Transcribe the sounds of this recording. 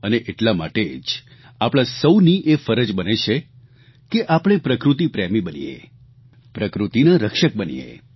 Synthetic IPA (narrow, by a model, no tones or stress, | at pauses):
əneʔeʈlama̰ʈed͡ʒ | apɽ̃asəwniʔefəɾəd͡ʒbənet͡ʃʰe | keʔapɽ̃epɾəkɾut̪ipɾɛmibənḭjḛ | pɾəkɾut̪inaɾəkʃək̚bənḭjḛ